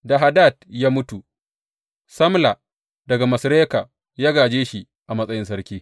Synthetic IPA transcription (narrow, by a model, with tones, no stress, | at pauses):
da˨ɦa˨daː˦˨t̚jaː˦mʊ˦tu˨ | sɐ˦mla˨ | dɐ˨ɡa˨mɐ˨sɾeː˦ka˨ | jaː˦ɡaː˨d͡ʒeː˦ʃi˨ | ʔa˨mɐ˦sʼɐ˦jɪ˦ns̬ɐ˦ɾkʲiː˦